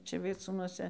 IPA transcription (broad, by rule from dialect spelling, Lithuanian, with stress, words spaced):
ˈt͡ʃʲɛ ʋʲiɛˈt͡suːnuɔsʲɛ